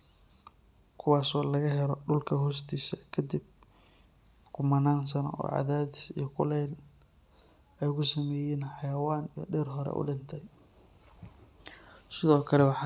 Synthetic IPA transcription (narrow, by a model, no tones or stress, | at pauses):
kʰʊwaːsɔːlɐɣɐɦɛɾɔɖʊlkʰɐɦɔːst̪ʰiːsɐkʰɐd̪ib̚ | kʰʊmɐnaːns̬ɐnɔ̰ɔ̰ːʕɑ̰ðaːðɪsijɔkʰʊlɛl | ɛjkʊsɐmɛːjɛːnħɑjɐwaːnijɔ̰ɖɛːrɦɔɾɛ̰ʔʊ̰ɖɪnt̪ʰɐj | sɪðɔːkʰɐlɛwɑħɑ